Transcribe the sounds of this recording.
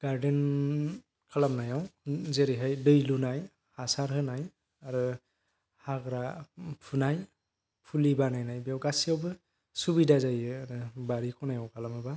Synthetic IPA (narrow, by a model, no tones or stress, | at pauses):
ɡ̥aɾden | kʰalamnajawzeɾiɦajdɯjlunaj | hasaɾɦɯnaj | aɾɯ | haɡɾapʰunaj | pʰulibanajnajbijawɡasijawbɯ | subidazajɯaɾɯbaɾikʰɔnajawkʰalamɯba